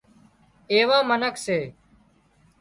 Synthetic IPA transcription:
eːʋãːmənəkseː

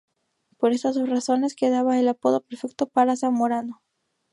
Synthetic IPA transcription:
po̞ɾe̞st̪asraso̞ne̞ske̞ðaβaelapo̞ðo̞pe̞ɾfe̞k̚t̪o̞paɾasaŋmoɾano

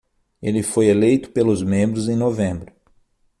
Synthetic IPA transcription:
elɪfojelejt̪ʊ̥pelʊzmẽmbɾʊzẽj̃novẽbɾʊ

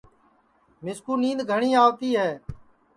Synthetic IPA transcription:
mɪskuːnĩːnd̪ɡʱəɳiːaːʋt̪iːɦɛː

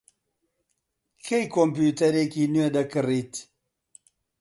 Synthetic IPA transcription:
kʰejkompjuːt̪ɐɾeːkiːnued̪ɐkɨriːt̪

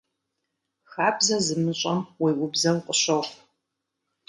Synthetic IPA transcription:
xaːbzɐzɨmɨɕʼɐmwiːʔʊbzɐwqʼəɕɐχ

